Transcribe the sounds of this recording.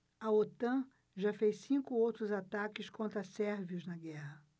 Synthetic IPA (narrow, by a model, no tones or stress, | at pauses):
ɐot̪ɐ̃ | ʒafejssĩŋkʊowt̪ɾʊzat̪akɪskõnt̪ɾɐsɛɾviʊznɐɡɛhɐ